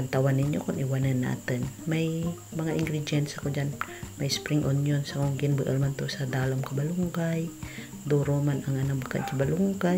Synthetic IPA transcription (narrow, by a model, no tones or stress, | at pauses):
kant̪awanːɪɲːokʊnʔɪwanənːa̰ːt̪ɪnmaj | mɐŋaʔɪŋɡɾɪd̪jɛnt̪sɐkod͡ʒan | majspɾɪŋʔonjonsakoŋɡɪnbəʔəlmant̪osad̪aːlamkabaluŋɡaj | d̪uɾomanaŋanamaka̰ʔt͡ʃabaluŋɡaj